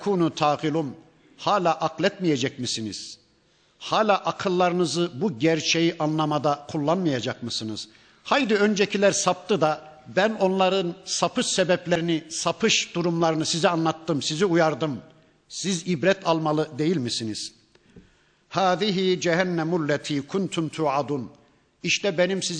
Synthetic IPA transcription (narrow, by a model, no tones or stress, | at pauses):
kʰuːnut̪ʰaːɣilˠum | haːlʲaːʔaklʲɛt̪mijɛd͡ʒɛc̚misinḭz̥ | haːlʲaːʔakʰɯlˠːaɾɯnɯzɯbuɟæɾt͡ʃʰejiʔanlˠamad̪akʰulˠːanmɯjad͡ʒakmɯsɯnɯz̥ | hajd̪iø̞nd͡ʒɛcʰilʲæɾsap̚t̪ɯd̪a | bæno̞nlˠaɾɯnsapʰɯʃsɛbɛplʲeɾinisapʰɯʃd̪̥uɾumlˠaɾɯnɯsizɛanlˠat̪ːɯmsiziujaɾd̪ɯm | sizibɾɛt̪ʰalˠmalˠɯd̪e̞jilʲmisiniz̥ | haːðiɦid͡ʒɛɦænːɛmːulːɛt̪ʰiːkʰunt̪ʰunt̪ʰuʕad̪un | iʃt̪ʰɛbenimsiz